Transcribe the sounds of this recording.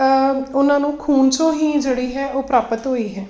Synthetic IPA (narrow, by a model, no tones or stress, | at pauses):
ʊnãːnũːkʰuːnt͡ʃõːɦiːd͡ʒeːɽiːɦɛːʔoːpɾaːpət̪ɦoːiːɦɛː